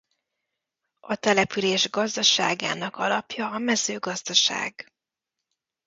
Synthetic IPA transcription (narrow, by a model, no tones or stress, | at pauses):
ɒt̪ɛlɛpyleːʒɡɒzd̪ɒʃaːɡa̰ːnɒkɒlɒpjɒːmɛzøːɡɒzd̪ɒʃa̰ːɡ